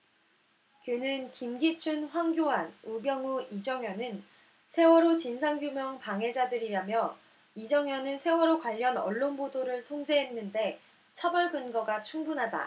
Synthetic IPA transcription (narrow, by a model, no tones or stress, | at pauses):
kjɯnɯnkimɡit͡ɕʰunɸwaŋɡjoanubjʌŋuid͡ʑʌŋjʌnɯn | sʰe̞wʌɾot͡ɕinsʰaŋɡjumjʌŋpaŋɦe̞d͡ʑadɯɾiɾamjʌ | id͡ʑʌŋjʌnɯnsʰe̞wʌɾokwaʎːʌnʌɭːonbodoɾɯɭtʰoŋd͡ʑe̞ɦenːɯnde̞ | t͡ɕʰʌbʌɭkɯnɡʌɡat͡ɕʰuŋbunɦada̰